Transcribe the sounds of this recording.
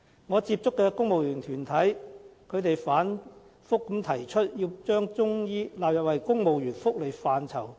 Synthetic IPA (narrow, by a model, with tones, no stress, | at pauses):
ŋɔː˨˧t͡siː˧p̚t͡sʊ˥kːɛː˧kʊ˥ŋmo˨wjyː˨˩nt̪ʰyː˨˩nt̪ʰɐ˨˥jkʰɵ˨˧ɥt̪e˨jfaː˨˥n | fʊ˥kːɐ˨˥mt̪ʰɐ˨˩jt͡ʃʰɵ˥t̚jiː˧wt͡ʃœː˥ŋt͡sʊ˥ŋjiː˥laː˨p̚jɐ˨p̚hɐ˨˩jkʊ˥ŋmo˨wjyː˨˩nfʊ˥k̚le˨˩jfaː˨nt͡sʰɐ˨˩w